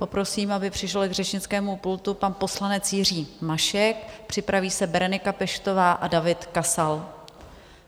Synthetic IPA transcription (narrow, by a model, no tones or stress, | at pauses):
po̞pɾo̞siːmabɪpr̥ɪʃɪlɪɡrɛt͡ʃɲɪt͡skɛːmupult̪upanpo̞slanɛt͡sjɪriːmaʃɛk̚pr̝̥ɪpɾaviːsɛbɛɾɛnɪkapɛʃt̪o̞vaːʔadavɪt̪kasal